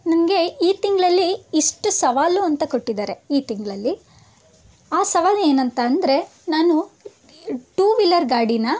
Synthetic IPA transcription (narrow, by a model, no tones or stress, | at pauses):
nɐmɐɡe̞iːt̪iŋɡɐɭɐlːiːʂʈusɐʋaːluɐnt̪ɐkoʈːid̪aːɾe̞iːt̪iŋɡɭɐlːi | aːsɐʋaːle̞ːnɐnt̪ɐːnd̪ɐɾe̞naːnu | ʈuːʋilɐɾɡaːɖinɐ